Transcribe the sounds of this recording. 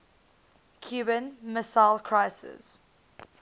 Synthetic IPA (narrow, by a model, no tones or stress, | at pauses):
kʰjuːbə̃nmɪsaɪlkʰɹaɪsɪ̰z̥